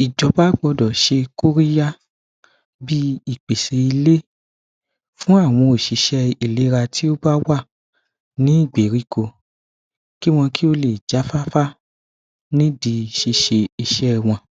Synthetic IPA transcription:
i˨d͡ʒɔ˨˦ba˦ɡ͡bɔ˧dɔ˨ʃe˧ko˦ɾi˦ja˦ | bi˦i˦˨k͡pe˨se˧i˧le˦ | fũ˦a˦˨w̃ɔ̃˧o˨ʃi˨˧˦ʃɛ˧i˦˨le˨˦ɾa˧tʰi˦o˦ba˦wa˦˨ | nĩ˦i˦˨ɡ͡be˨ɾi˨˦ko˧ | ki˦w̃ɔ̃˧ki˦o˦le˨d͡ʒa˨˦fa˦fa˦ | nĩ˦di˧˨ʃi˧ʃe˧i˨ʃɛ˦˧w̃ɔ̃˧

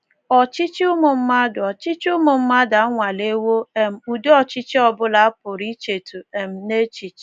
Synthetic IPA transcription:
ɔ˨t͡ʃi˦t͡ʃi˦ʊ˦mʊ˨m̩˦ma˦dʊ˨ɔ˨t͡ʃi˦t͡ʃʊ˦mʊ˨m̩˦ma˦da˨˦ŋʷa˨le˦wo˦e˨m̩˨u˨do˦ɔ˦t͡ʃi˦t͡ʃi˦ɔ˦bʊ˦la˨a˦pʊ˨ɾi˦t͡ʃe˨tu˨e˨m̩˨ne˦t͡ʃi˨t͡ʃ

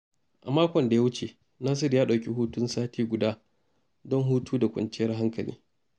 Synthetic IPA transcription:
ʔa̰˨maː˦kʷɔ˨nda˨ja˦wʊ˦t͡ʃe˨ | naː˦s̬ɪ˦ɾjaː˦ɗa˨wkʲi˦ɦuː˦tʊ˦nsaː˦tʰiː˦ɡʷʊ˨daː˦ | dɔ˦ŋɦuː˦tuː˦da˨kʷʼɐ̰˨nt͡ʃɪ˦jɐ˦rɦa˦ŋkɐ˨lʔḭː˦

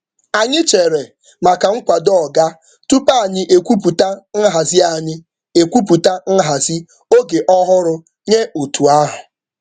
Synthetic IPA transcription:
a˨ɲɪ˦t͡ʃe˨ɾe˨ | ma˨ka˨ŋ̩˦kʷa˨dɔ˦˨ɡa˦ | tu˦pa˦˨ɲɪ˦ʔe˨kʷu˦pu˨ta˦n̩˦ɦa˨zɪ˦a˨ɲɪ˦ | e˨kʷu˦p̬u˨ta˦n̩˦ɦa˨zi˦ | o˦ɡe˨ʔɔ˦ɦʊ˦ɾʊ˦ | ɲe˦u˨tʰu˨a˦ɦʊ˨

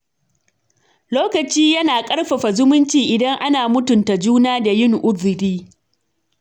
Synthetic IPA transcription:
loː˦kɐ˨t͡ʃiː˦jɐ˦naː˨kʼɐ˦ɽɸɐ˨ɸa˨zʊ˦mʊ˦nt͡ʃiː˨ʔɪ˨dɐ˦ŋʔa˦naː˨mʊ˦tʊ˨nta˨d͡ʒuː˦naː˦da˨jɪ˦ŋʔʊ˦dʊ˨ɾiː˦

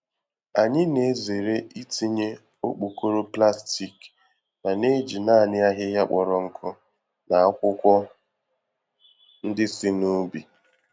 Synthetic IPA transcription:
a˨ɲɪ˦ne˨˦ze˨ɾe˦i˦ti˦ɲe˦ | o˦k͡pu˨ko˦ɾo˦pla˦sti˨k | na˨ne˦d͡ʒi˨na˦˨nɪ˦a˦ɦɪ˦ja˦k͡pɔ˨ɾɔ˨ŋ̩˨kʰʊ˦ | na˨a˦kʷʊ˦kʷɔ˦ | n̩˦dɪ˦sɪ˦nu˦bi˨

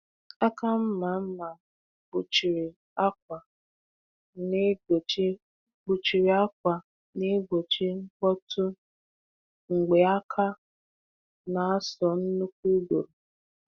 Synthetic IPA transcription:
a˦ka˦m̩˦ma˨m̩˦ma˨ | bʊ˨t͡ʃi˨ɾi˨ | a˦k̚ʷa˨ | n˦˨˦ | ɡ͡bu˨t͡ʃi˨ɾi˨a˦k̚ʷa˨ | ne˦ɡo˨t͡ʃi˦ŋ̩˦kɔ˦tʰʊ˦ | ŋ̩˨ɡ͡be˨a˦kʰa˦ | na˨a˦sɔ˨n̩˦nu˦k̚ʷu˦ɡo̰˨ɾu˨

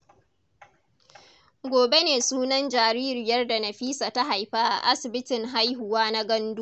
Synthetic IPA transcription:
ɡʷoː˨be˦neː˨suː˦nɐ˦nd͡ʒaː˨ɾiː˦ɾɪ˨jɐ˦rda˨nɐ˨ɸiː˦saː˨ta˦ɦa˨jɸa˦ʔa̰˨ʔa˦sɪ˨bɪ˦tɪ˨ŋɦa˦jɦʊ˨waː˦na˦ɡɐ˦ndu˦

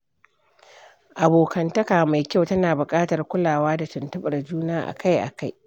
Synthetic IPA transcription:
ʔa˨boː˨kɐ˨ntɐ˦kaː˨ma˨jkʲa˦wtɐ˦naː˨bʊ˨kʼaː˦tɐ˨rkʷʊ˦laː˨waː˦da˨tɪ˨ntʊ˦ɓɐ˨rd͡ʒuː˦naː˦ʔa̰˨kʰa˦jʔa̰˨ka˦˨j

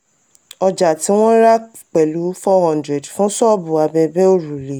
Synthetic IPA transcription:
ɔ˧d͡ʒa˨ti˨˦w̃ɔ̃˦ɾa˦ | k͡pɛ˨lu˨˦fɔ˦hɔ̃˦ndɾɛ˨dfũ˦sɔ˦bũ˨a˧bɛ˧bɛ˦o˦˨ɾu˨le˨˦

